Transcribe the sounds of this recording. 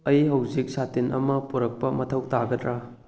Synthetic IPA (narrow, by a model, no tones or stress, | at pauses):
ɐjɦɐwzik̚satinɐ̰mɐpuɾɐk̚pɐmɐtʰɐwtaɡɐdɾa